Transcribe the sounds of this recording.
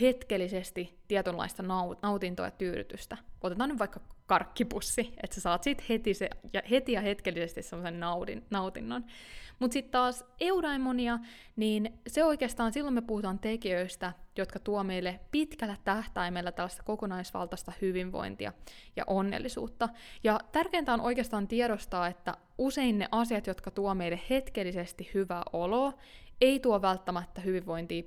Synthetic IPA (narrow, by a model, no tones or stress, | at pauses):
het̪kelːisest̪it̪ːiɛt̪ylɑ̰ist̪ɑnɑunɑwt̪int̪o̰ːjɑt̪yːɾy̰t̪yst̪æʔot̪et̪ɑːnyʋʋɑikːɑkɑrkːipusːiet̪sesɑːt̪sit̪het̪isejɑhe̞t̪ijɑhet̪kelːisest̪issemːosennɑwdinɑut̪inːonmut̪sit̪t̪ɑːseudɑimoniɑ | niːnseoijkeːst̪ɑːnsilːomepuhut̪ɑːnt̪ekiøist̪æjot̪kɑt̪uɑme̞jlːepit̪kælːæt̪æht̪ɑimelːæt̪ælːæst̪ɑko̞konɑisʋɑ̰lt̪ɑst̪ɑhyʋiʋʋo̰jnt̪ḭɑ̰jɑ̰ʔonːḛlːisṵːt̪ːɑjɑt̪ærkeːnt̪æonʔo̞jkeɑst̪ɑːnt̪iɛɾost̪ɑːet̪ːæ̰ | use̞innḛʔɑsiɑt̪jot̪kɑt̪uomeilehhe̞t̪kelːisest̪ihhyʋæʔoloː | e̞it̪uoʋælt̪ːæmæt̪ːæhyʋiʋʋo̞jnt̪iː